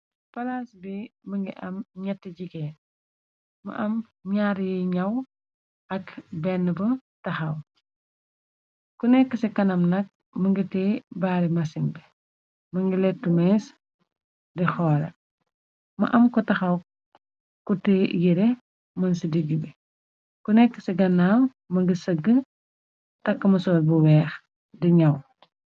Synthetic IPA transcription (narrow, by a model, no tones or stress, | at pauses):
fɐlaːsbimɐŋɡḭʔɐmɲɛtːəɟiɡɛːn | mɐ̰ʔɐm | ɲaɾjiɲɐw | ɐkbɛnːəbətɐxɐw | kunɛkːəsɛkɐnɐmnɐk̚ | mɐŋɡitɛbaːɾimɐsinbɛ | mɐŋɡilɛtːumɛːs | dixɔːɾɛ̰ | mɐ̰ʔɐmkɔtɐxɐw | kutɛjiɾɛ | mɐnsidiɡibɛ | kunɛkːə̥siɡɐnaːw | mɐŋɡisəɡə | tɐkːɐmɐsɔːlbuwɛːx | diɲɐw